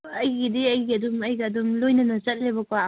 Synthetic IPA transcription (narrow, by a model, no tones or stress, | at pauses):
ɐjɡidiɐjɡiɐd̪ʊmɐjɡɐːd̪ʊmlojnɐnɐzɐt̚ʼlebɐka